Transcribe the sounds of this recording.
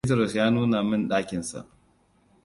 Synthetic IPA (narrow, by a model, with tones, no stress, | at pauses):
t̬ɐ˦ɾɔ˨sjaː˦nuː˦na˨mɪ˦˨nɗaː˦kʲɪ˨nsa̰˨ʔ